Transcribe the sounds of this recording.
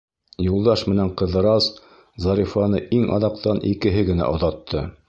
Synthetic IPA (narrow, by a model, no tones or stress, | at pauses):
julˠd̪ɑʃmɘ̆næɴqɤ̆ðɤ̆ɾɑs | zɑɾʲifɑnɤʔiŋɑ̰ðɑqt̪ɑnʔikɘ̆ɦɘɡɘ̆næ̰ʔŏðɑt̪ʰːɤ